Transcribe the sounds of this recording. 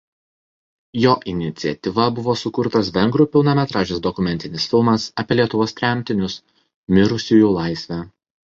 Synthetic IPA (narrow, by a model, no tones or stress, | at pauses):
joːʔɪnʲɪt̪sʲɪɛt̪ʲɪʋɐbʊʋoːsʊkʊɾt̪ɐsʋʲɛŋɡɾuːpʲɪlˠnɐmʲɛt̪ɾɑːʒʲesd̪ɔkʊmʲɛnʲt̪ʲɪnʲɪsfʲɪlˠmɐsɐpʲieɛlʲiɛt̪ʊʋoːst̪ʲɾʲæˑmʲt̪ʲɪnʲʊs | mʲɪɾʊsʲʊjuːlˠɑˑɪsʲʋʲæː